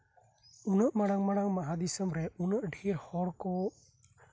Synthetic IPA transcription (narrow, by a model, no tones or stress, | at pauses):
unəʔmaɽaŋmaɽaŋmaɦad̪isəmɾɛunəʔɖʱiɾhɔɾkɔ